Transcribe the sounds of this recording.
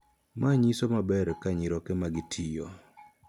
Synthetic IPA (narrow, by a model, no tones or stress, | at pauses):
mʔaɲisomabɛɾkaɲiɾɔkɛmaɡɪtʰijɔ̰